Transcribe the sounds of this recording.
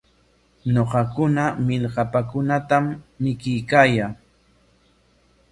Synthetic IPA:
ɲoqɑkʊnamɪʎɢɑpakʊnat̪amːɪkɪjkaːjaː

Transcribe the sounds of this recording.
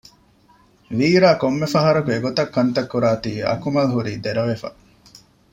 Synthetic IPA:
ʋiːɾaːkomːefɐɦɐɾukueɡot̪ɐkːɐnt̪ɐkːuɾaːt̪iːɐ̰kumɐlɦuɾiːd̪eɾɐʋefɐ̰

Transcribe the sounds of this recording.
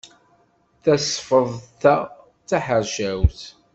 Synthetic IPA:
θæsfəðˤθæ | t͡sːæħəɾʒæwθ

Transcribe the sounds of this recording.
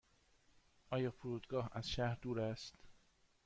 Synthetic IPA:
ʔɒːjɒːfoɾuːd̪ɡɒːɦæz̥ʃæhɾd̪uːɾæst̪

